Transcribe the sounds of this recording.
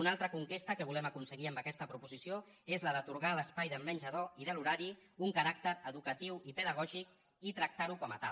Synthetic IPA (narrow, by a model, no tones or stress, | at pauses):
unalˠt̪ɾəkuŋkest̪əkəβulɛməkunsəɣiəmbəkɛst̪əpɾupuzisioezləðət̪uɾɣaləspajðəmbənʲʒəðoiðəluɾaɾiuŋkəɾak̚t̪əɾəðukət̪iwipəðəɣ̞ɔʒik̚ | it̪ɾək̚t̪aɾukɔmət̪a̰l